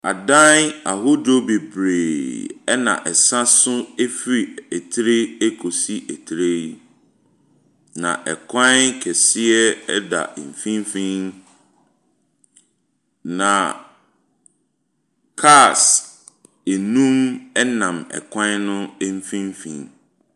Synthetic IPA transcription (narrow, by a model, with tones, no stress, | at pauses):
a̰˨dã˦n˦a˨ɦʊ˦do˦be˨bɾeː˨ɛ˦nã̰˨ʔɛ˨sã˦sʊ˦e˦fi˨ɛ˨tʰɾe˦e˦kʰo˨si˦ʔɛ˨tʰɾe˦ | nã̰˨ʔɛ̰˨kʷʰã˦kʰɛ˨sɪ˦ɛ˦ɛ˦da̰˨m̩˨fĩ˦m˦fĩ˦n | nã˨ | kʰa˦˨s | e˨nũ˦mɛ˦nã˨mɛ̰˨kʷʰã˦nʊ̃˦m̩˦fĩ˦m˦fḭ̃ː˨n